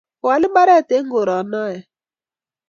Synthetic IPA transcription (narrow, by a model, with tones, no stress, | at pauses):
wa˨lɪ˦ba˦ɾɛ˦˨te˨˦ŋ̩˦ɡo˨ɾɔ˨˦nɔ˦jɛ˨